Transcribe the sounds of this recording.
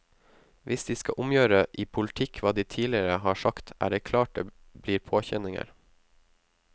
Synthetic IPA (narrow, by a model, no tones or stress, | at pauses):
ʋʔɪsd̪iːskɑ̰ʔʊmjøːɾəʔiːpʰʊlt̪ʰɪkʰʋɑːd̪iːt̪ʰiːlɪəɾəhɑːʂɑkt̪ʰʔæ̰ːɖeːkʰlɑːʈ̚d̪ḛː | b̥liːɾpʰoːçɛnɪŋə̰ɾ